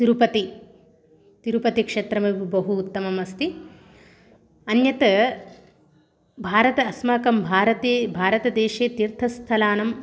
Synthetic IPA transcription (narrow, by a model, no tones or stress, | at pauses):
t̪iɾupɐt̪i | t̪iɾupɐt̪ikʂeːt̪ɾɐmɐʋibɐɦuːt̪ːɐmɐmɐst̪i | ɐnjɐt̪ɐ | bʱaːɾɐt̪ɐːsmaːkɐmbʱaːɾɐt̪eːbʱaːɾɐt̪ɐd̪eːʃeːt̪iɾt̪ʰɐst̪ʰɐlaːnɐm